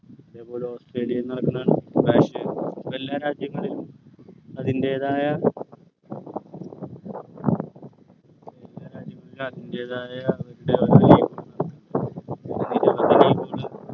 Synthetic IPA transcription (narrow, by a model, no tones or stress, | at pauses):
iðeːpo̞ːleoːstre̞ːlijɐenːɐɾunːaːɳɨbaːɕɐelːaːɾaːd͡ʑjɐŋːɐɭilum | ɐðinde̞ːðaːjɐ | elːaːɾaːd͡ʑjɐŋːɐɭilumɐðinde̞ːðaːjɐːʋɐɾuɽe̞oijpːɐna | nnːidepɐdinejpːoːle